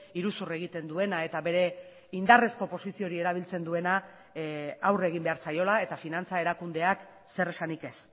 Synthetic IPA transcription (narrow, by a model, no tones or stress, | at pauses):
iɾusure̞ɣ̞it̪e̞nd̪ue̞nae̞t̪aβe̞ɾe̞ | ind̪are̞sko̞po̞sisio̞ɾie̞ɾaβ̞ilt͡se̞nd̪ue̞na | awre̞ɣ̞imbe̞aɾt͡sajo̞lae̞t̪afinant͡sae̞ɾakund̪e̞ak | se̞ɾe̞sanike̞s